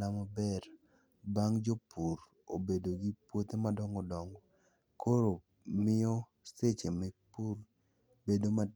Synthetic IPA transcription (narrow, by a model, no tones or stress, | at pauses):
amabɛɾ | baŋd͡ʒopuɾ | obedoɡipwot̪emadɔŋɡɔdɔŋɡɔ | kʰoɾo | mɪɔ | set͡ʃemɛpuɾ | bedoma